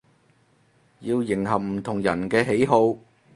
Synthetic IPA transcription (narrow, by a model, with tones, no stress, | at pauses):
jiː˧wjɪ˨˩ŋɦɐ˨p̚m̩˨˩t̪ʰʊ˨˩ŋjɐ˨˩nkɛː˧ɦe˨˥jɦo˧w